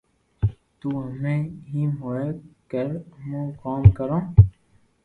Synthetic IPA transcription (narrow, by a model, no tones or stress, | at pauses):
t̪uːɦəmẽːɦimoːekəɾmõːkaːmkəɾõː